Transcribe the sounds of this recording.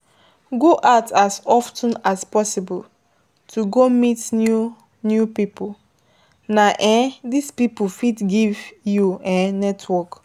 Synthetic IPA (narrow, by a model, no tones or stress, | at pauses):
ɡoʔaʊtasɔftə̃naspɔsibɔl | tʰuɡomitnu | njupipul | naʔɛ̃dispipufidɡivjuɛ̃nɛtʰwɔk